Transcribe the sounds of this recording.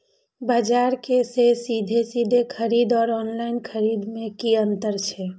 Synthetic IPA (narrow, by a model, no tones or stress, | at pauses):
bad͡ʒaɾkesesid̪ʱesid̪ʱekʰəɾid̪ɔːɾɔːnlaɪnkʰəɾid̪mẽkiənt̪əɾt͡ʃʰɛ